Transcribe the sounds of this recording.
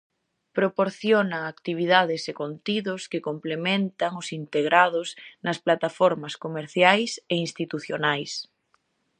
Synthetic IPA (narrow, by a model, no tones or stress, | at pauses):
pɾopoɾθjonaːkt̪iβ̞iðaðɪsekont̪iðʊskɪkomplemẽnt̪aŋʊsint̪eɣɾaðʊsnɐsplat̪afɔɾmɐskomeɾθjajseinst̪it̪uθjonajs